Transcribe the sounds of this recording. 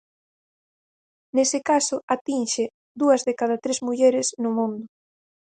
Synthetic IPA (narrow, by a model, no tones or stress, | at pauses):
nesɪkasʊat̪inʃɪ | d̪uɐzðekaðat̪ɾezmuʎɛɾɪsnʊmũnd̪ʊ